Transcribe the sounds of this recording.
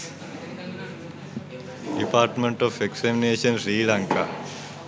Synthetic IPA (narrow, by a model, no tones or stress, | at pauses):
ɖipaːɾʈmẽɳʈɔfeksemineːʃənsɾiːlãŋka̰